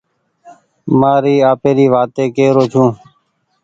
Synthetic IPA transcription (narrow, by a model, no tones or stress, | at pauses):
maːɾiːaːpeːɾiːʋaːt̪eːkeːɾoːt͡ʃʰũː